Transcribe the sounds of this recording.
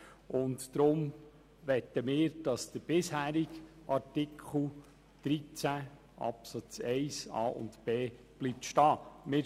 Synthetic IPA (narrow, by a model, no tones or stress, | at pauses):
ʊntd̥̪ɾʊm | ʋɛt̪ːəmɪːɾd̥ɑsd̥əb̥ɪshæːɾɪkʔɑɾtɪkʰχl̩ˠ | d̥ɾit͡sæ | ʔɑ̰psɑt͡sɛɪsɑ̰ːʔʊ̰ntb̥eː | b̥liːp̚tʃtɑːmɪːɾ